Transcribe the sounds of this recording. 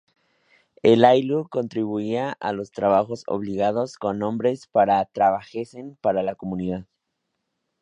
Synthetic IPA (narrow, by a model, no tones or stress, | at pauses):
elajluko̞nt̪ɾiβuiaʔa̰lo̞st̪ɾaβaxo̞so̰βliɣað̞o̞sko̞nːõmbɾe̞spaɾat̪ɾaβaxesempaɾalako̞mũniðað